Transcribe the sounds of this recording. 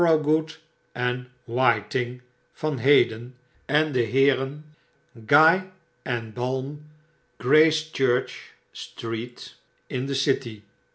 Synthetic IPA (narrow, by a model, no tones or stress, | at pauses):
ɹoɡut | ʔɛn | wajtɪŋ | fɑnɦejdən | ɛndəɦɪːɾən | ɡaj | ɛnbɑlˠm | ɡ̥ɹeɪst͡ʃɜɹt͡ʃ | stɹit | ɪ̃ndəsɪti